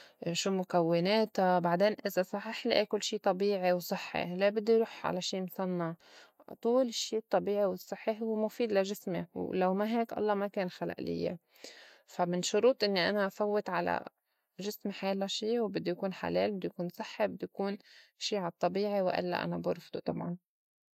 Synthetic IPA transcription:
ʃuːmʊkawːɪneːt̪abaʕd̪eːnʔɪzasˤɑħɪħliʔekʊlːʃiːt̪ˤɑbiːʕiwsˤɨħːḭlebɪd̪ːujɾuːħʕa̰laʃiːmsˤɑnːɑʕt̪ˤuːlɪʃːiːt̪ˤːɑbiːʕiwɪsˤːɨħːihʊwmʊfiːd̪laʒɪsmɪwlawmaɦeːkʔɑ̰lˤːɑmakeːnxala̰ʔlɪ̰jːḛ | famɪnʃʊɾuːt̪ˤʔɪnːiʔanaʔfawːɪt̪ʕala̰ | ʒɪsmħaːlaʃiːwbɪd̪ːujkuːnħa̰leːlbɪd̪ːujkuːnsˤɨħːibɪd̪ːujakuːnʃiːʕat̪ˤːɑbiːʕiwʔɪ̰lːa̰ʔa̰nabʊɾˤfd̪ut̪ˤɑ̰bʕɑ̰n

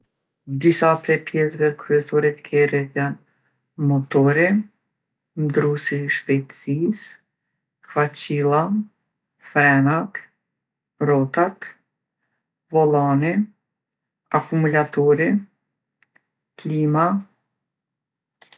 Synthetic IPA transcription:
d̪isap̪ɾɛpjɛsvɛkɾyɛsɔɾit̪kʰɛɾɛt̪jan | mɔt̪ɔɾi | md̪ɾusiʃpɛjt̪ə̥sis | kfat͡ɕilˠa | fɛnak | rɔt̪ak̪ | vɔlˠani | akumulat̪ɔɾi | klima

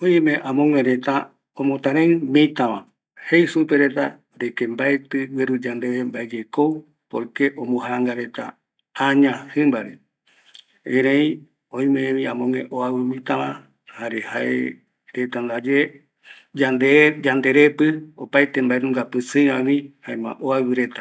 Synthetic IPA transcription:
oĩmẽʔãmõŋẽɾet̪a | õmõt̪ãɾẽmĩt̪ãʋã | hejsupe̞ɾet̪and̪ekembaet̪ɨweɾud͡ʒand̪eβembaed͡ʒekow | po̰ɾkeʔõmõɦaŋɡaɾe̞t̪a̰ | aɲãhɨ̃mbaɾe | ẽɾ̃ẽĩ | õj̃mẽẽmĩãmõŋḛ̃ʔoaβɨmĩt̪ãβã | haɾehaḛ | ɾet̪and̪ad͡ʒe | d͡ʒand̪ed͡ʒand̪e̞ɾepɨo̰pajt̪embaenũŋɡapɨsɨjɾãmĩhaemã̰ʔoaβɨɾe̞t̪ḁ

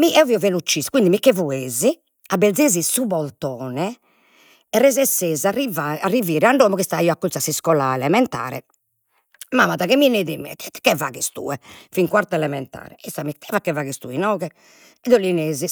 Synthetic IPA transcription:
miɛɔviːɔvelut͡ʃːiskwind̪imikːevueːzi | abed̪zeːzisubɔlt̪ɔːnɛ | ɛrezɛsːeːzarivaariviːɾɛaɳɖoːmɔɣist̪aiːɔakːut̪ːasiskɔlaɛlɛmɛnt̪a̰ːɾɛ̰ | mamaðaɣɛmineːðimɛ̰kɛva̰ːɣist̪ṵːɛfiŋkwaɾt̪ɛlɛmɛnt̪a̰ːɾɛist̪amit̪ʰɛvakːɛvaːɣist̪ṵːinɔːɣɛ | ɛðolineːzi

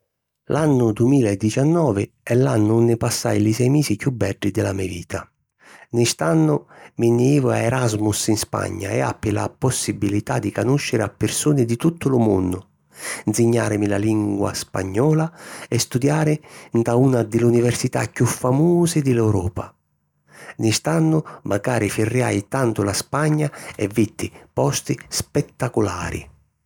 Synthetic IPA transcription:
lʔanːʊd̪uɪmiːlaɛd̪ːit͡ʃanːɔːvɪ | ɛlːanːʊunːɪpasːa̰jlisɛjmeːsikjubːɛɖːid̪ɪlamɛvḭːt̪ʰa | nɪst̪anːʊminːeiːvʊa̰ɛɾazmʊsinspa̰ɲːa̰ɛ̰a̰pːɪla̰pɔsːibilit̪ad̪ːikanuʃːɪɾɪapːɪɾsuːnɪd̪it̪ut̪ːʊlʊmṵnːʊ | nsiɲːaːɾɪmilaliŋɡwa̰spa̰ɲːɔːlaɛst̪ud̪jaːɾɪnt̪aunad̪ɪlunivɛrsit̪a̰kːufːamuːzɪd̪ɪlɛwɾɔːpa̰ | nist̪anːʊmʔaɡaːɾifirːja̰jt̪ant̪ʊlaspaɲːaɛvːit̪ːɪpɔst̪ispɛt̪ːakula̰ːɾḭ

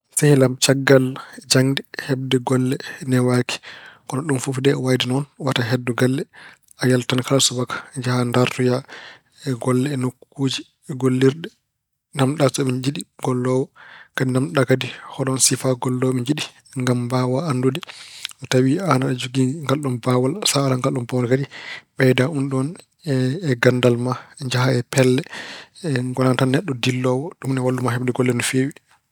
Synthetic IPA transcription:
sahlamt͡ʃaɡːald͡ʒaŋdɛhɛb̚dɛɡɔlːɛnɛwaki̥kɔnɔɗumfufdɛwajdinɔnwataɦɛdːuɡalːɛ | ajaltankalasubakḁd͡ʒahandaɾtuja | ɡɔlːɛːnokːud͡ʒi | ɡolːiɾɗɛ | namɗasɔɓiɲd͡ʒiɗiɡ̥ɔlːɔwɔkadinamɗakadihɔɗɔnsifaɡɔlːɔwmiɲd͡ʒiɗi | ŋɡambawalandodiʔɔtawianaɗɛd͡ʒoɡiŋɡalːɔmbawalsaalaŋɡalːɔmbawalkadiɓɛjdaunɗɔnː | ɡandalmaɲd͡ʒaɦaɛpɛlːɛɛŋɡɔlantanːɛɗːɔdilːɔwɔɗumnɛwaldumaɦɛbɗɛɡɔlːɛnɔfeːwi

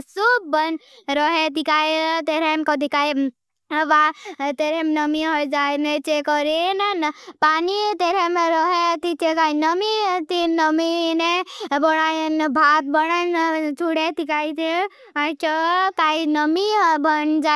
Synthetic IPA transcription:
sub̚ːən | ɾɔɦet̪ikajt̪eɾemkɔd̪ikaj | ʋat̪eɾemnəmiɦɔjd͡ʒanet͡ʃekɔɾennpanit̪eɾemeɾɔɦet̪it͡ʃekainəmit̪inəminebɔɽajnbʱat̪̚bəɽant͡ʃʰuɽet̪ikait̪e | at͡ʃɔt̪ainəmibənd͡ʒa

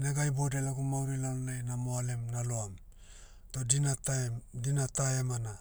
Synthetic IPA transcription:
naɡajbodelaɡumawɾilanonajnamoalemnaloam | todinatdinataemana

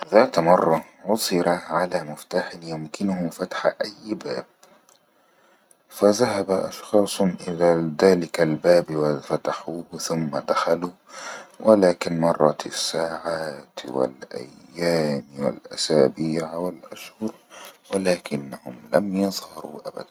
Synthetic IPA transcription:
ðaːt̪mɑrˤːɑʕʊsˤɨɾaʕalaːmʊft̪aːħɪnjʊmkɪnʊhʊmfat̪ħʔajːbaːb̚ | faðaɦabaʔɑ̰ʃxɑːsˤnʔɪlaːðaːlɪkalbaːbwafat̪aħuːθʊmːad̪axaluːwʔɪlaːkɪnmɑrˤːɑsːaːʕaːt̪wɪ̰lʔa̰jːaːmwɪ̰lʔa̰saːbiːʕwɪlʔaʃhʊɾwɪlaːkɪnːahʊmlamjɑðˤhɑɾˤṵːʔaba̰d̪an

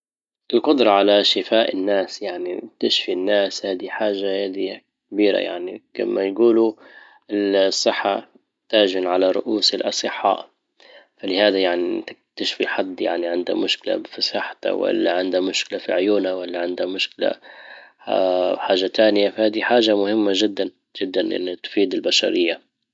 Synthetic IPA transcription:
ʔɪlqʊd̪ɾˤɑʕalaʃɪfaːʔɪnːaːsjaʕnit̪ɪʃfinːaːshaːd̪iħaːʒahaːd̪i | kabiːɾa̰ja̰ʕnika̰mːajɡuːlu | ʔɪsˤːɨħːa̰ | t̪aːʒɪnʕalaɾˤʊ̰ʔuːsɪlʔɑsˤɨħːɑ̰ːʔ | falɪhaːd̪ajaʕnit̪ɪk̚t̪aʃfiħɑd̪ˤːja̰ʕniʕɪnd̪a̰mʊʃkɪla̰fisˤɑħt̪a̰wa̰lːaʕɪnd̪hamʊʃkɪlafiʕʊjuːnawalːaʕɪnd̪hamʊʃkɪla̰ | aħaːʒːat̪aːnɪjafahaːd̪iħaːʒamʊhɪmːaʒɪd̪ːan | ʒ̥ɪd̪ːanʔɪ̰nːat̪ʊ̥fiːd̪ɪlbaʃa̰ɾɪjːa

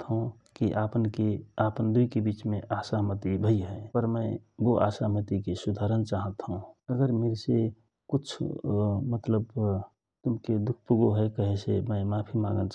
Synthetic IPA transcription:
t̪ɦõ | kiʔaːpənkeaːpənd̪uikebiːt͡ʃmẽʔaːsaɦmət̪ibʱəjɦɛpəɾməɪboʔa̰ːsaɦmət̪ikesud̪ʱaɾənt͡ʃaɦət̪ɦũəɡəɾmeːɾse | kʊt͡ʃʰmət̪ləb | t̪ʊmked̪ʊkʰpuɡoɦɛkəɦesḛmə̃ɪmaːpʰimã̰ŋɡəlt͡ʃ

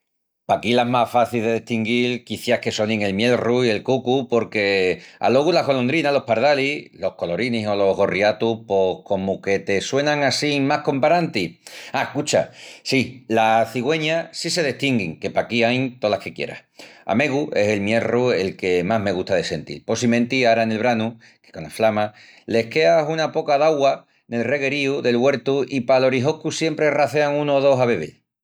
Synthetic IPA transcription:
pakilamasfaθilðe̞ðeht̪iŋɡilkiθjahke̞so̞nĩŋe̞lmje̞lruie̞lkukupo̞ɾke̞a̰lo̞ɣulaɣo̞lo̞nd̪ɾinalo̞hpaɾð̞alilo̞hko̞lo̞ɾiniso̞lo̞ɦɣo̞riat̪upo̞hko̞muke̞t̪e̞swe̞nãŋasimahko̞mpaɾant̪iakut͡ʃa̰silaθiɣwe̞ɲasise̞ðeht̪iŋɡiŋke̞pakiajŋt̪olahke̞kje̞̰ɾa̰ha̰me̞ɣuʔe̞se̞lmje̞rue̞lke̞maɦme̞ɣ̞uht̪aðe̞se̞nt̪ḭɾpo̞simẽ̞nt̪iaɾaene̞lβɾanu | ke̥ko̞na̰flama | le̞hke̞asunapo̞kaðaɣwa | ne̞lre̞ɣe̞ɾiuðe̞lɣwe̞ɾt̪uipalo̞ɾiɦo̞hkusje̞mpɾe̞raθeaŋũnoːðo̞ɦaβe̞β̞ḛl

